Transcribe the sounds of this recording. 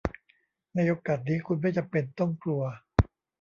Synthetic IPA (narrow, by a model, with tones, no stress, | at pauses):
na˧˥˩jo˧˥kːa˨˩t̪̚niː˦˥kʰu˧nma˥˩t͡ɕa˨˩mpe˧nt̪ɔ˥˩mkʰlu˧ɐ